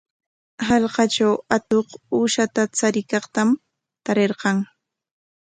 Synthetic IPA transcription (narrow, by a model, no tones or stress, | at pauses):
hɑlqɑt͡ʃawat̪oquʃat̪at͡saɾɪkɑqt̪am | t̪aɾeɾqɑŋ